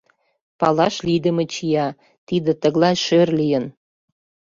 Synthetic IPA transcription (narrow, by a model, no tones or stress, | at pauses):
pɑlɑʃlid̪ə̆met͡ɕijɑ | t̪id̪ə̆t̪ə̆ɣlɑjʃørlijən